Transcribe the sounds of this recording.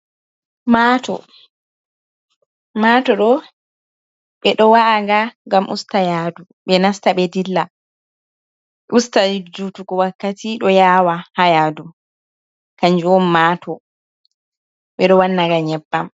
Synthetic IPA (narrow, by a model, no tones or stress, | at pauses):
maːtɔ̰ | matɔɗɔ | ɓɛɗɔwaŋɡaŋɡamʔṵstajadu | ɓɛnastaɓɛdilːa | ʔustaid͡ʒutukɔwakːatiɗɔjaːwahajadu | kaɲd͡ʒuɔnmatɔ | ɓɛɗɔwanːaɡaɲɛbːam